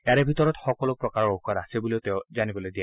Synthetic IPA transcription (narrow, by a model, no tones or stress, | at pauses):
aɹɛbʱitɔɹɔtxɔkɔlɔk̚pɹɔkaɹɔɹoxaɾasebuliʊteʊzanibɔlojdija